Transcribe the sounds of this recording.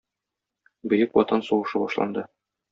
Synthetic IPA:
bɵ̆jɘkwɒt̪ɤnsuʁɤ̆ʃɤbɒʃlˠɑ̰nd̪ɤ

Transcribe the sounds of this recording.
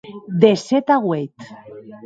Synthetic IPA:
d̪esɛt̪aɣwet̪

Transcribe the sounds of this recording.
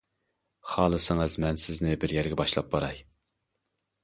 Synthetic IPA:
χɑːlˠɨsɪŋɨzmɛnsɪznɪbɪɾjɛɾɡʲɛbɑʃlˠɑp̚bɑɾɑj

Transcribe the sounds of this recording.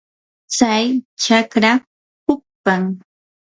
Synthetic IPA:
t͡sajt͡ʃakɾa | hʊk̚paŋ

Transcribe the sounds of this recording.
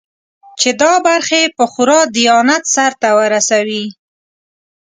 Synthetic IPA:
t͡ʃed̪ɑbaɾxepəxʊɾɑd̪ijɑnat̪saɾt̪awəɾasawi

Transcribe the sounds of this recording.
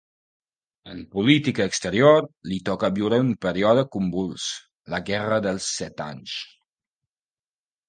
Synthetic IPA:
əmpulit̪ikəːkst̪əɾioɾlit̪ɔkəaβiwɾəumpəɾiɔðəkumbulˠs | ləɣɛrəðəlˠsːɛt̪a̰ɲs

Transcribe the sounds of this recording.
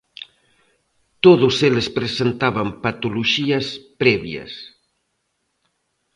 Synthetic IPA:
t̪oðʊselespɾesent̪aβɐmpat̪uluʒiɐspɾɛβiɐ̰s

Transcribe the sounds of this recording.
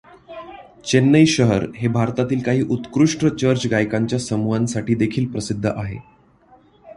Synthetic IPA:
t͡ɕenːəjɕəɦəɾɦebʱaɾt̪at̪iːlkaɦiːʔut̪kɾuʂʈɾət͡ɕəɾt͡ɕɡajkaɲt͡ɕjasəmuʋansaʈiːd̪ekʰiːlpɾəsid̪ʱːəʔaɦḛ

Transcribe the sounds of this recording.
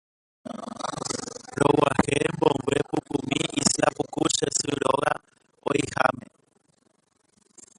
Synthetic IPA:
ɾɔwahɛmbɔŋbwɛpukumiislapukuʃɛsuɺɔɣa | ɔihamɛ

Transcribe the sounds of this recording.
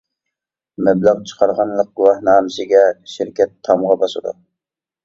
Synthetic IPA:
mɛblæʁt͡ʃʰə̥qʰɑɾʁɑnlˠəq̚ɡuwɑhnɑːmɪsɪɡʲɛʃɪɾkʲɛt̪ʰːɑmʁɑbɑsɨd̪ṵ

